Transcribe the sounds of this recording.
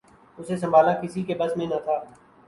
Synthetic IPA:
ʊses̬ɐ̃mbʱaːlãːkɪsikebɐsmẽnɐt̪ʰaː

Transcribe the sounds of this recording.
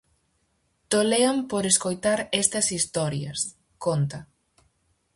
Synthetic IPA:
t̪oleampoɾeskojt̪aɾɛst̪ɐsist̪ɔɾjɐs | kont̪ɐ

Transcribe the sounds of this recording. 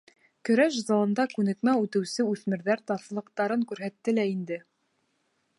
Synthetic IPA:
kɵ̆ɾæʃzɑlˠɤ̆nd̪ɑkʉnɘ̆kmæʉt̪ɘ̆wsɘʉθmɘ̆ɾðæɾt̪ɑθlˠɤ̆qt̪ɑɾɤŋkʉɾɦæt̪ːɘlæind̪ɘ

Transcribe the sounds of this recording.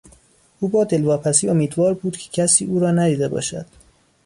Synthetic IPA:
ʔuːbɒːd̪e̞lvɒːpʰæsiːo̞miːd̪vɒːɾbuːd̪̥cʰe̥cʰæsiːuːɾɒːnæd̪iːd̪e̞bɒ̰ːʃæd̪̥

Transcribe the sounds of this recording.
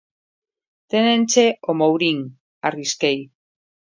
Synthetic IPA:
t̪enẽnt͡ʃeomowɾiŋ | ariskej

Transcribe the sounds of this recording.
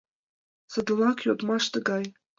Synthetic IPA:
sə̆d̪ə̆lɑkjod̪mɑʃt̪əɡɑj

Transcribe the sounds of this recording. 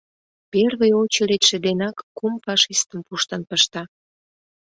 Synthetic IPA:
perβejot͡ɕəlet̪ʃĕd̪enɑkːumfɑʃist̪əmpuʃt̪ənpəʃt̪ɑ

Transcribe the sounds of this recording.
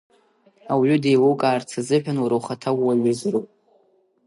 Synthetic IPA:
awʕʏdejwowkʼaːrt͡sʰazɨħᶣanwuɾowχatʰawwaɥʊzropʼ

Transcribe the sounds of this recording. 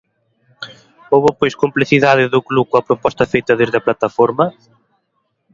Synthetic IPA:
oβʊpojskompleθiðaðɪðʊklukoɐpɾopɔst̪ɐfejt̪ɐðezðɐplat̪ɐfoɾmɐ

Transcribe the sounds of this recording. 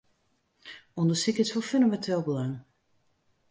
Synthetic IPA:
ɔndəsikɪtsfɔføndəmɛntʰeːlˠbəlaŋ

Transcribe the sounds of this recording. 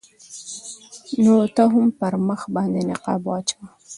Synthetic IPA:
not̪aɦʊmpəɾməxbɑnd̪enɪqɑ̰bwɑt͡ʃaw

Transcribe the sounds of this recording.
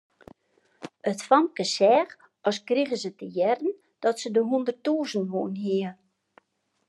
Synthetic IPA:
ətfɔmkəsɛːx | ɔskriɣəsətəjɛrən̩ | d̥ɔtsədəɦundərtuːzənʋoːnɦiə

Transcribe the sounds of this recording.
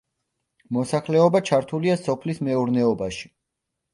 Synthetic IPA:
mɔsaχlɛɔbat͡ʃʰaɾt̪ʰuliasɔpʰlismɛuɾnɛɔbaʃi̥

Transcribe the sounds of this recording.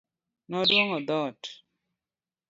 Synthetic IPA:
nɔdwoŋɔd̪ɔt

